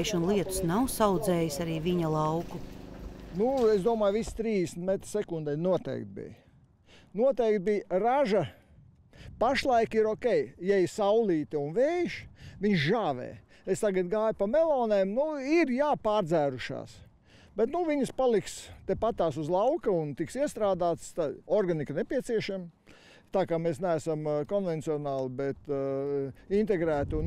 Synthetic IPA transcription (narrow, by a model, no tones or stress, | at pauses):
ʃunlˠiɛt̪u̥snawsawd̪zɛːjisaɾiːʋiɲɐlˠɑwku | nueszd̪uɔmaːjʋist̪ɾiːzd̪esnt̪met̪ɾsɛkund̪ɛjnuɔt̪ɛ̰ːk̚t̪̚bḭj | nuɔt̪ɛjk̚t̪̚bijɾaʒɐ | paʃlˠajkiɾɔkʲɛjjɛjsawliːt̪iunʋɛːjʃʋiɲʃʒaːʋɛ̰ː | est̪aɡɐt̪ɡaːjpamelˠɔːneːmnuiɾjaːpaːɾd̪zæːɾuʃa̰ːs | bet̪nuʋiɲspalˠikst̪epat̪aːsuzlˠawkɐunt̪iksiɛst̪ɾaːd̪aːt̪st̪aɔɾɡaniknepiɛt̪siɛʃam | t̪aːkaːmeːsnææsamkɔnvɛnt̪siɔnaːlˠbet̪ | int̪eɡɾæːt̪un